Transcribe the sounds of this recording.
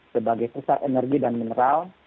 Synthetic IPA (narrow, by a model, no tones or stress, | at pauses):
səbaɡajpusat̪enɛrɡidanminəɾal